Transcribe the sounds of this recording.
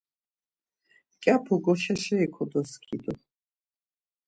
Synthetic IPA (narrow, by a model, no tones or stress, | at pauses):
kʼapʰuɡɔʃɛʃɛikʰɔd̪ɔskʰid̪ɔ